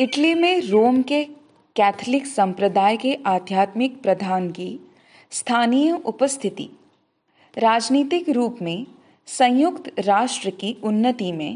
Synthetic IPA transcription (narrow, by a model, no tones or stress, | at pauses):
ɪʈlimẽɾoːmke | kɛːt̪ʰlɪksɐ̃mpɾəd̪aːjkeʔaːd̪ʱjaːt̪mɪk̚pɾɐd̪ʱaːnki | st̪ʰaːnijəʔʊpəst̪ʰɪt̪ḭː | ɾaːd͡ʒniːt̪ɪkɾuːpmẽ | sɐ̃j̃jʊkt̪ɾaːʃʈɾəkiʊnːət̪imẽ